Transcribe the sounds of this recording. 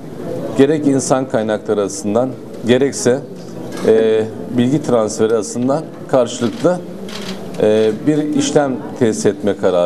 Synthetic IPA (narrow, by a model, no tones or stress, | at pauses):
ɟ̥e̞ɾɛcinsankʰajnaklˠaɾɯasɯnd̪an | ɟe̞ɾɛcsɛ | bilʲɟit̪ʰɾansfe̞ɾiasˠɯnd̪an | kʰaɾʃɯlˠɯklˠɯ | biɾiʃlʲæmt̪ʰɛst̪ɛt̪mɛkʰaɾa